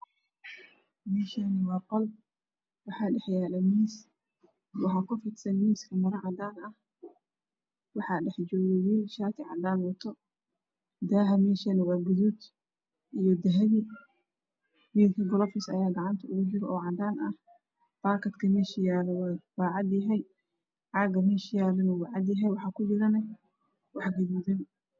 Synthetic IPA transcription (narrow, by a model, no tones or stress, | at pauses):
mɛːʃanɪwɑːqɔl | wɑħɑːɖɛħjaːlɐmiːs | wɑħɑːkʰʊfɪt̪sɐnmiːskʰɐmɐɾɐʕɑd̪aːnɐh | wɑħɑːɖɛħd͡ʒɔːɣjɛwiːlʃaːt̪ʰɪʕɑd̪aːnwɐt̪ʰɔ | d̪aːɦɐmɛːʃɐnɪwɑːɡʊðuːd̪ | ʔijɔd̪ɐɦɐβi | wiːlkʰɐɡɔlɔfɪsɐjaːɡɑʕɑnt̪ʰɐʊɣʊd͡ʒɪɾɔɔːʕɑd̪aːnɐh | b̪̥aːkʰɐd̪kʰɐmɛʃɪjaːlɛwwɑːʕɑd̪jɐɦɛj | ʕɑːɡɐmɛːʃɪjaːlɐnɐwɑʕɑd̪jɐɦɛjwɑħɑkʰʊbɪɾɐnɐ | wɑħɡɐðuːd̪ɛn